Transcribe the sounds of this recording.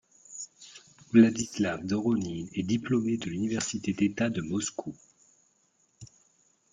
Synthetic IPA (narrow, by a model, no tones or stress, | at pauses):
vlad̪islavd̪ɔʁɔninɛd̪iplɔmed̪əlynivɛʁsit̪ed̪et̪ad̪əmɔskʰu